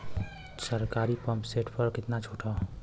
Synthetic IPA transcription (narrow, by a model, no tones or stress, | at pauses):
səɾkaːɾipə̃mpseʈʰpəɾkɪt̪nat͡ʃʰoːʈʰa